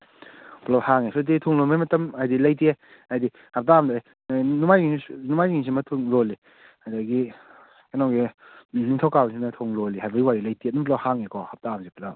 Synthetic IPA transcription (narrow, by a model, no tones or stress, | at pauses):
plawhaŋesɔt̬itʰoŋlomemɐtɐmajdilajtie | ajdi | hap̚taamd | numajinumajŋiŋs̬imɐtʰuŋloli | hajdaɡi | kenaɡiniŋtʰɔwkawsinɐtʰoŋlolihajbɐɡiwaɾilɐjtiet̚nɐmplawhaŋekʰɔhap̚taamsipla